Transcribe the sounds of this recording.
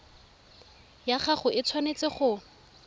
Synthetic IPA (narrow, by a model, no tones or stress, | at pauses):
jaχaχʊʔɪt͡sʰwanet͡sɪχʊ